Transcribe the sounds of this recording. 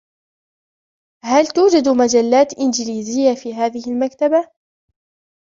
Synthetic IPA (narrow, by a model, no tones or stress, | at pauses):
halt̪uːd͡ʒad̪mad͡ʒalːaːt̪ʔɪnd͡ʒɪliːzɪjːafiːɦaːðɪhɪlmakt̪aba